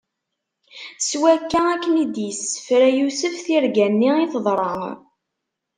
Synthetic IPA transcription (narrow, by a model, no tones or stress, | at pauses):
swækːæækːənid̪jisə̥fɾæjusəfθiɾɡænːiiθðˤɾˤə